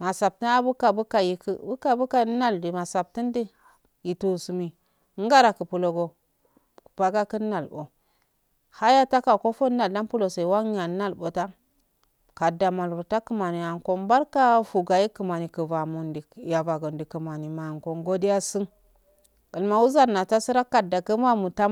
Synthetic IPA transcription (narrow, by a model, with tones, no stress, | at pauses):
ma˨sa˨b̚ti˦a˦bu˦ka˨bu˦ka˨ji˨kbu˦ka˨bu˦ka˨˦na˦ldi˨ma˨sa˨b̚ti˦ndi˦ | ji˨tu˨su˨mi˨˦ | ŋ˦ɡa˦ɾa˨kə˨pu˨lo˨ɡo˨ | b̥a˨ɡa˦kə˦nː˦a˨lbo˨ | ha˦ja˦ta˦ka˨ko˦fo˦a˨lda˦npu˦lo˨se˨i˨wa˦ŋ˦ja˨˦na˦lbo˨ta˦ | ka˨da˨ma˨lvu˨ta˦kə˨ma˨ni˨ja˨ŋko˦nba˦ɾka˦fu˨ɡa˨ji˦kə˨ma˨ni˨kə˨va˨mu˨ndi˨ja˨va˨ɡo˨ndi˨kə˨ma˨ni˨ma˨ŋko˨ŋɡo˦di˦ja˦si˦ŋ | ə˨lma˨wu˦za˦nːa˨ta˦si˦ɾa˦kːa˨da˨kə˦ma˦mu˨ta˦